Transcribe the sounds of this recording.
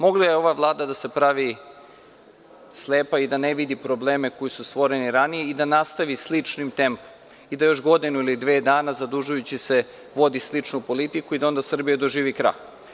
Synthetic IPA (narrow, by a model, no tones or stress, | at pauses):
mo̞ɡlˠajeo̞ʋaʋlˠaːd̪ad̪ase̞pɾaʋi | sleːpaid̪aneʋid̪ipɾo̞bleːme̞ko̞jisust̪ʋo̞ɾe̞niɾanije̞id̪anast̪aʋislit͡ʂnimt̪e̞mpo̥m | id̪ajo̞ʃɡo̞d̪inuilid̪ʋeːd̪aːnazad̪uʒujut͡ɕise̞ | ʋo̞d̪islit͡ʂnupo̞lit̪ikuid̪ao̞nd̪asr̩bijad̪oʒiːʋikɾa̰ːj